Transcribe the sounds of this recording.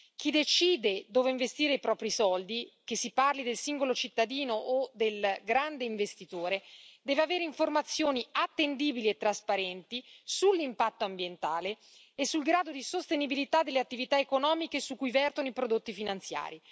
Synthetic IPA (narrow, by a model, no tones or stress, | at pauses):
k̟id̪et͡ʃiːd̪ed̪oːveiɱvest̪iːɾeipɾɔːpɾisɔld̪ikesːiparlid̪elsiŋɡolot͡ʃit̪ːad̪iːnoʔːd̪elɡɾand̪eiɱvest̪it̪oːɾed̪ɛːveaveːɾeiɱformat̪sːjoːniat̪ːend̪iːbiliet̪ːɾaspaɾɛnt̪isulːimpat̪ːoambjent̪aːleː | sːulɡɾaːd̪od̪isost̪enibilit̪ad̪elːeat̪ːivit̪aekonɔːmikesukːujvɛrt̪onoipɾod̪ot̪ːifinant̪sja̰ːɾi